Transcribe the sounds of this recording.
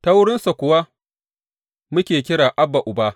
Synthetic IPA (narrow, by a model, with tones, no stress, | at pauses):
ta˦wʊ˦ɽɪ˦nsa˨kʷʊ˨wa˦ | mʊ˦kʲeː˨kʲɪ˦ɽaː˨ʔa˦bːa˨ʔʊ˨baː˦